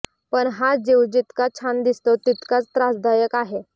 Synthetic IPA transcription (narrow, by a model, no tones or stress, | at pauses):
pəɳɦad͡ʑewd͡ʑit̪kat͡ɕʰand̪ist̪ot̪it̪kat͡st̪ɾasd̪ajəkaɦe